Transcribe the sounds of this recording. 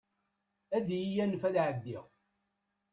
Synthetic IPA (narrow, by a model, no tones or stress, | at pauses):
æðjijænːəfæðʕəd̪ːiʁ